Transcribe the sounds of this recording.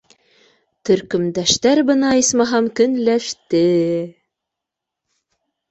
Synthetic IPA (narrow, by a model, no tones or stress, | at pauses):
t̪ɵ̆ɾkɵ̆md̪æʃt̪æɾbɤ̆nɑismɑɦɑmkɵ̆nlæʃt̪ɘ